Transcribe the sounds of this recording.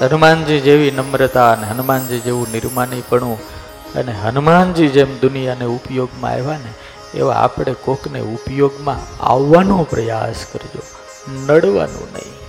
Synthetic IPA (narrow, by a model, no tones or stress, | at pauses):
ɦənmand͡ʒid͡ʒeʋinəmɾət̪aəneɦənmand͡ʒid͡ʒeʋũnɪɾmanipəɳũ | ə̰neɦənmand͡ʒid͡ʒemd̪ʊnijaneupjoɡmã̰a̰jʋane | ḛʋa̰a̰pɽ̃ekoknḛupjoɡmãa̰ʋːanõpɾəja̰skəɾd͡ʒo̰ | nəɽʋa̰nṵ̃nə̰ḭ̃